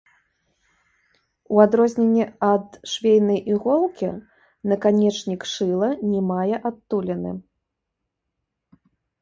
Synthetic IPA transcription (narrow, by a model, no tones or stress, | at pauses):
uad̪ɾɔzʲnʲenʲːɛɐd̪ʂvʲejnɐjʔiɣɔlˠkʲḭ | nɐkanʲɛt͡ʂnʲikʂɨlˠɐnʲɛmajɛʔat̪ːulʲɛnɨ̰